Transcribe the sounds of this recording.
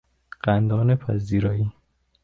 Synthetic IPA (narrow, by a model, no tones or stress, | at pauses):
ɢ̥ænd̪ɒːnepʰæ̰ziːɾɒːi